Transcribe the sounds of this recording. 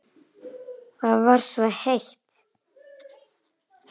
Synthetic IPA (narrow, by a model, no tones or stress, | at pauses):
θaðvaɾ̥svɔheht̪